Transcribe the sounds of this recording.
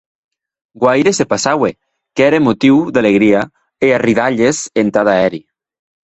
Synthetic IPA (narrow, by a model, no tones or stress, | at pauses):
ɡwajɾesepasawe | keɛɾemot̪iwd̪aleɣɾia | eariðaʎezent̪aðaɛɾi